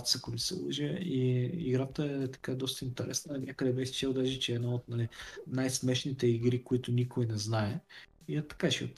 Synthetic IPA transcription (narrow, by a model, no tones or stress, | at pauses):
t̪sakomisɛ̰lˠəʒəiḭɡɾat̪əɛt̪ɐ̥kad̪ɔst̪əint̪ɛɾɛsnənʲakəd̪ɛbɛxst͡ʃɛlˠd̪aʒit͡ʃɛːd̪nɔot̪nɐlinajsmɛʃnit̪ɛiɡɾikoit̪ʊnʲikojnɛznaɛ | iɛt̪ɐ̥kaʃio̰t̪